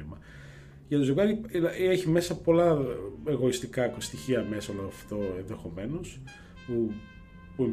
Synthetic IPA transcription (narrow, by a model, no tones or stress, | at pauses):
imɐ | ʝɐt̪ozoɣɐɾilɐeçime̞sɐpo̞lɐe̞ɣoist̪ikɐkost̪içiɐme̞sɐoloɐft̪o̞enðexo̞me̞no̞s | pu | puem